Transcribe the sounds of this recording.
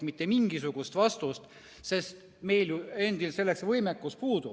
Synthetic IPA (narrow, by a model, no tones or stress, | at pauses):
mit̪ˑːemiŋɡ̥isuɡ̥ust̪vɑst̪ust̪ | se̞st̪ | me̞jljue̞nd̪ilse̞lːe̞ksvɤjmekːˑuspuːd̪u